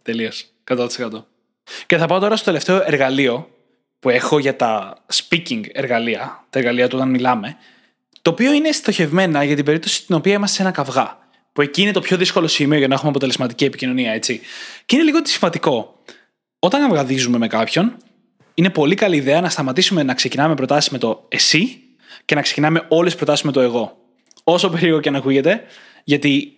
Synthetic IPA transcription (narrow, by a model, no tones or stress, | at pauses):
t̪elios | kɐt̪ot̪i̥sekɐt̪o | ceθɐpɐot̪o̞ɾɐst̪o̞t̪eleft̪e̞oʔe̞ɾɣɐlio̞ | pue̞xo̞ʝɐt̪ɐspiciŋɡe̞ɾɣɐliɐt̪eɾɣɐliɐt̪uo̞t̪ɐnmilɐme̞ | t̪o̞ːpio̞inest̪o̞çe̞vme̞nɐʝɐt̪ibe̞ɾip̚t̪o̞si̥t̪ino̞piɐimɐssee̞nɐkɐvɣɐ | pue̞ciːine̞t̪o̞pço̞ðisko̞lo̞simio̞ʝɐnɐexumeɐpo̞t̪e̞le̞zmɐt̪icie̞picino̞niɐe̞t͡siceineliɣo̞t̪i̥siɱvɐt̪iko̞ | o̞t̪ɐnɐvɣɐðizume̞me̞kɐpço̞n | ine̞po̞likɐliːðeɐnɐst̪ɐmɐt̪isume̞nɐkse̞cinɐme̞pɾot̪ɐsi̥zme̞t̪o̞esi | cenɐkse̞cinɐme̞o̞lespɾo̞t̪ɐsi̥zmet̪o̞e̞ɣo̞ | o̞so̞peɾioɣoceɐnɐkuʝe̞t̪e̞ | ʝɐt̪i